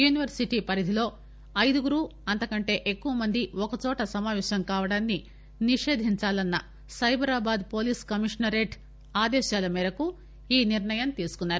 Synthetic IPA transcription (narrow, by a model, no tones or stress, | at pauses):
juːniʋɐɾsiʈiːpɐɾid̪ʱilo̞ː | ɐjd̪uɡuɾuːɐnt̪ɐkɐɳʈe̞ːʔekːuʋɐmɐnd̪iɔkɐt͡ʃɔːʈɐsɐmaːʋɛːʃɐmkaːʋɐɽaːnːi | niʂe̞ːd̪ʱiɲt͡ʃaːlɐnːɐ | sɐjbʱɐɾaːbaːd̪po̞ːliːskɐmiʂnɐɾeːʈ | aːd̪ɛːʃaːlɐmiːɾɐku | iːniɾɳɐjɐmt̪iːsu̥kunːaːɾu